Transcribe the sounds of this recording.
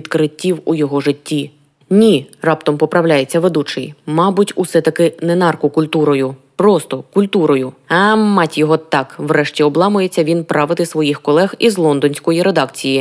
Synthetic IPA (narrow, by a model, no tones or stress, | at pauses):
id̪kɾɪtʲːiwujɔɦɔʐɪtʲːi | nʲirɑpt̪ɔmpɔpɾɐwlʲajet͡sʲːɐʋed̪ut͡ʃɪjmɑbʊtʲusɛt̪ɐkɪnɛnɑrkʊkʊlʲt̪uɾɔjʊ | pɾɔst̪ɔkʊlʲt̪uɾɔjʊɐmɑtʲjɔɦɔt̪ɑkʋrɛʃtʲiɔblˠɑmʊjet͡sʲːɐʋʲinpɾɑʋɪt̪ɪsʋɔjixkɔlˠɛxizlˠɔnd̪ɔnʲsʲkɔjiɾe̞d̪ɑkt͡sʲiji